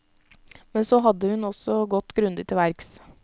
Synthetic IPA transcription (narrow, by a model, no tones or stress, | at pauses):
mɛnsoːɦɑd̪ːəhʉnɔsɔɡɔt̪ːɡɾʉnd̪ɪt̪ʰːɪʋæɾks